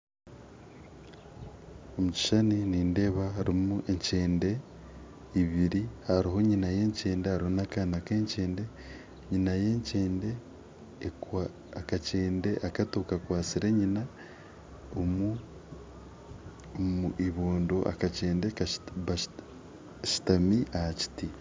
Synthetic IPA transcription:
omuci̥ʃaniniːnde̞βaaɾimuʔeɲceːnde̞ | iβiɾihaɾiɦo̞ɲinaje̞ːɲce̞ːndehaɾihonakanakeːɲce̞ːnde̞ | ɲinajeːɲceːnde̞ | wa | kaceːnde̞ʔakatokakwaːt͡siɾeɲina | omu | muʔiβoːndoʔa̰kace̞ːndeβa | ʃi̥tamiʔahaci̥ti

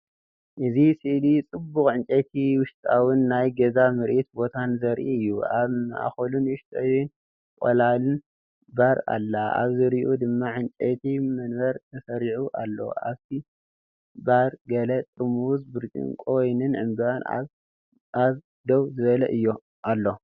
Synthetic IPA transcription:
ʔɨzisɨʔlit͡sʼɨbːʊxʼʕɨnt͡ʃʼet̪ʰiwʊʃt̪ʼawʊnːajɡɐzamɨɾʔit̪̚bo̞t̪ʰanzɐɾʔiɨjːuaβʔa̰xolunwʊʃt̪ʼawn | kʼolalɨn | baɾa̰lːaʔa̰βzɨɾiʔud̪ɨmːaʕɨnt͡ʃʼet̪ʰimɐnbɐɾt̪ʰɐsɐɾiʕuʔalːo̰ʔa̰βt̪ʰi | baɾɡɐlɐt̪ʼɨmuzbɨɾt͡ʃʼḭnkʼo̞jnɨnʕɨmbana̰ | ʔaβ | d̪owzɨβɐlɐ̰ʔɨjːo | ʔalːo̞

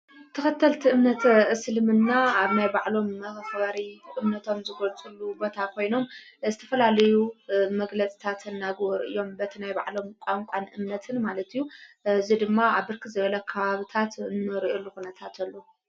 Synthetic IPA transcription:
t̪ʰɐxɐt̪ʰːɐlt̪ʰiʔɨmnɐt̪sɨlɨmɨnːaaβnajbaʕlo̞mɐxβaɾiʔɨmnɐt̪ʰo̞mzɨɡolt͡sʼulːubo̞t̪ʰakʰo̞jno̞m | zɨt̪ʰɐfɐlalɐjumɐɡlɐt͡sʼi̥t̪ʰat̪ɨnːaɡβoɾɨɨ̰jːo̞mbɐt̪ʰinajba̰ʕlo̞mkʷʼaŋkʷʼanʔɨmnɐt̪ʰɨnmalɐt̪ijːuzid̪ɨmːaaβbɨɾkʰɨzɨβɐlɐkʰɐβaβɨt̪ʰat̪nːɨɾiʔelːuxunɐt̪ʰat̪ʰɐlːo

